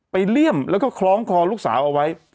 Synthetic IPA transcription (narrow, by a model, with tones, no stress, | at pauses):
pa˧jli˥˩əmlɛː˦˥wkɔː˥˩kʰlɔː˦˥ŋkʰɔː˧lu˥˩k̚sa̰ː˩˦wʔa˧wa˦˥j